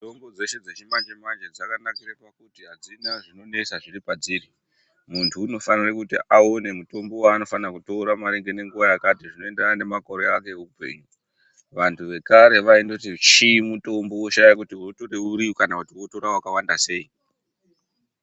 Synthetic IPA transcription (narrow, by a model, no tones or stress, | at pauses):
tombo̞d͡ze̞ʃed͡zet͡ʃimad͡ʒemand͡ʒad͡zakanakiɾapakutiɦad͡zinaʐino̞ne̞saʐiripad͡ziri | muntʰuːno̞fanirekutiʔao̞ne̞muto̞mbo̞waːno̞fanakuto̞ːɾamaɾiŋɡe̞ne̞ŋɡuʋajakatiʐino̞e̞ndranane̞mako̞ɾe̞akeupe̞̰ɲu | ʋantʰuʋe̞kaɾe̞ʋaindotit͡ʃimuto̞mbo̞woʃajakutiuroto̞reuɾikanakutiwo̞to̞ɾawakawandase̞i